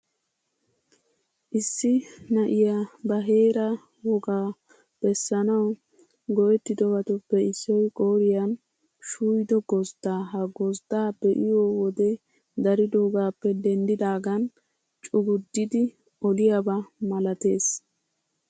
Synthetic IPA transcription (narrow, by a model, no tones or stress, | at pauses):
ʔɪsːɪnɐʔɪjabɐɦe̞ːɾɐ | wɔɡaː | b̥ɛsːɐnɐw | ɡɔʔɛt̪ːɪd̪ɔbɐt̪ɔpːɛɪsːɔjkʼoːɾɪjɐn | ʃuːjd̪ɔɡɔzd̪aːɦɐɡɔzd̪aːbɛʔɪjoːwɔd̪ɛ | d̪ɐɾɪd̪oːɡaːpːɛd̪ɛnd̪ɪd̪aːɡɐn | t͡ʃʼʊɡʊd̪ːɪd̪ɪ | ɔlɪjabɐmɐlɐt̪e̞ːs